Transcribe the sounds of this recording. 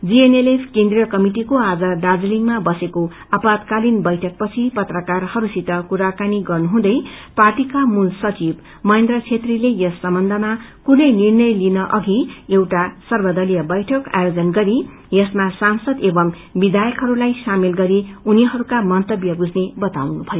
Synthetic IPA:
d͡zienelepʰkend̪rijʌkʌmiʈikoad͡zʌɖad͡zliŋmabʌseko | apat̪kalinbʌjʈʰʌk̚pʌt͡sʰipʌt̪rʌkarhʌɾusit̪ʌkuɾakaniɡʌrnuɦũd̪ʌjparʈikamulsʌt͡sib | mʌẽnd̪rʌt͡sʰet̪rilejʌsːʌmbʌnd̪ʱʌmakunʌjnirnʌjlinʌʔʌɡiewʈasʌrbʌd̪ʌlijʌbʌjʈʰʌka̰jod͡zʌnɡʌɾi | jʌsmasansʌd̪ebʌm | bid̪ajʌkɦʌɾulajsamilɡʌɾiuniɦʌɾukamʌnt̪ʌbjʌbud͡zʱnebʌt̪awnubʱʌjo

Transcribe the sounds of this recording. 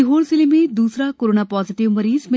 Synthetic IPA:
iɦoːɭsilimid̪uːsɾakoɾoːnapɔːziʈiʋməɾiːzmɪ

